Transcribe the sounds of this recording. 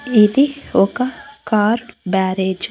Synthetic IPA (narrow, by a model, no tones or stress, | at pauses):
id̪ioːkakaːɾɖbæːɾed͡ʒ